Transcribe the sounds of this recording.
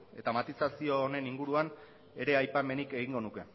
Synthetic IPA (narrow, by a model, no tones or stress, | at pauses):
e̞t̪amat̪isasio̞ːne̞niŋɡuɾuan | e̞ɾe̞ajpame̞nike̞ɣ̞iŋɡo̞nuke̞